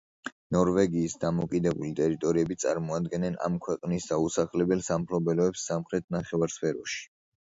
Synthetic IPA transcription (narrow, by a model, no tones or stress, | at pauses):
nɔɾvɛɡiːsd̪amɔkʼid̪ɛbulit̪ʼɛɾit̪ʼɔɾiɛbit̪sʼa̰ɾmɔad̪ɡɛnɛna̰mkʰwɛqʼnisd̪ausaχlɛbɛlsamχlɔbɛlɔɛpsːamχɾɛt̪̚ʰnaχɛvaɾspʰɛɾɔʃi̥